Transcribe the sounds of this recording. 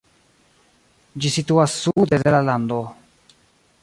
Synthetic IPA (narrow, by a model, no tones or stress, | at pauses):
d͡ʒisit̪uasːud̪edelaland̪o